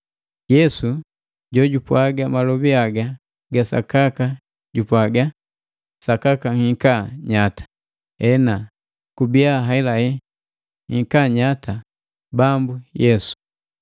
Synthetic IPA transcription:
jɛsu | ɟɔɟupwaɡamalɔbiaɡa | ɡasa̰kaka | ɟupwaɡa | sakakaŋikaɲatḁ | ɛna | kubiaɦaɛlahɛ | ŋiŋkaɲata | bambujɛsu̥

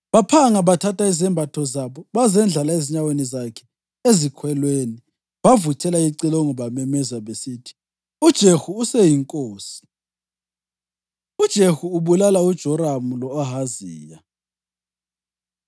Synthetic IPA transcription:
βapʰaŋaβatʰatʰʼaizɛmbʱatʰɔzaβɔβazɛnd͡ɮʱalaeziɲawenizakʰɛ̥ | ezikʰwɛlweni | βavutʰʼɛlaiǀilɔŋɔβamɛmɛzaβesiːtʰi̥ | ud̥ʒ̥ʱexuːsɛjiŋkʼoːsi̥ | ud̥ʒ̥ʱehuːβulalaud̥ʒ̥ʱɔɾamulɔːɦaziːja

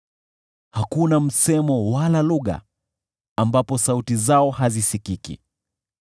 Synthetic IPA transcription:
hakunam̩sɛmɔwalaluɣa̰ | ambapɔsautizaɔhazisikikḭ

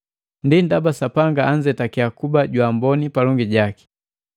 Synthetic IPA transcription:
ndindabasapaŋɡaːɲd͡ʒɛtakiakubaɟwambɔnipalɔŋɡiɟaki̥

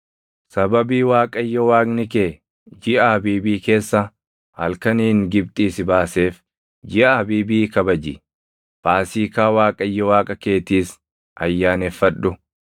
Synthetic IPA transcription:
sɐbɐbiːwaːkʼɐjːɔwaːknɪkeː | d͡ʒɪʔaːbiːbiːke̞ːsːɐ | hɐ̰lkɐniːŋɡɪb̚t̪ʼiːsɪbaːse̞ːf | d͡ʒɪʔɐbiːbiːkɐbɐd͡ʒɪ̰ | baːsiːkaːwaːkʼɐjːɔwaːkʼɐke̞ːt̪iːs | ʔɐjːaːnɛfːɐᶑːʊ

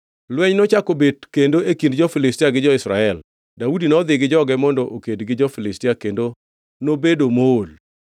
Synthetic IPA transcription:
lwɛɲnɔt͡ʃakobedkendoekind̚d͡ʒɔfɪlɪstiaɡɪd͡ʒɔɪsɾa̰ɛl | daudinɔd̪ɪɡɪd͡ʒɔɡɛmɔndɔʔokedɡɪd͡ʒɔfɪlɪstiakendo | nobedomol

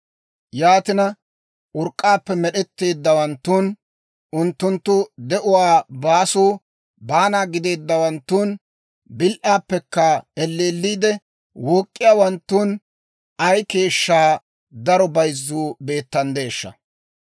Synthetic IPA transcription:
jaːt̪ɪnɐ | ʔʊɾkʼːaːpːɛmɛɗɛt̪ːe̞ːd̪ːɐwɐnt̪ːuːn | ʊnt̪ːʊnt̪ːʊd̪ɛʔʊwaːbaːsuː | baːnaːɡɪd̪e̞ːd̪ːɐwɐnt̪ːuːn | bɪlʔaːpːɛkːɐɛlːeːlːiːd̪ɛ | woːkʼːɪjaːwɐnt̪ːuːn | ɐjke̞ːʃːaː | d̪ɐɾɔbɐjzːuːbe̞ːt̪ːɐnd̪e̞ːʃːɐ̰

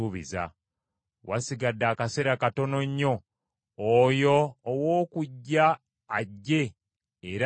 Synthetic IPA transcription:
uβḭza̰ | wasiɡadːaːkase̞ɾakato̞no̞ɲːo̞ː | joːwo̞ːkuɟːaː | ɟːe̞ | eɾ

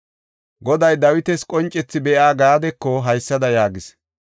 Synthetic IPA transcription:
ɡɔd̪ɐjd̪ɐwɪt̪ɛskʼɔnt͡ʃʼːɛt͡sːɪbɛʔaːɡaːd̪ɛkːɔɦɐjsːɐd̪ɐjaːɡɪs

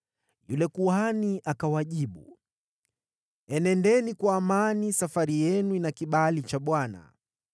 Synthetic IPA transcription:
julɛkuhaniʔakawaʄiɓṵ | ɛnɛndɛnikwaːmanisafaɾijɛnuinakiɓalit͡ʃaɓwana̰

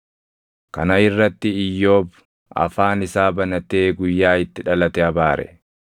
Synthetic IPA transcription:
kɐnɐɪrːɐt̪ːɪɪjːo̞ːb | ʔɐ̰faːnɪsaːbɐnɐt̪eːɡʊjːaːɪt̪ːɪᶑɐlɐt̪ɛɐbaːɾʔɛ̰

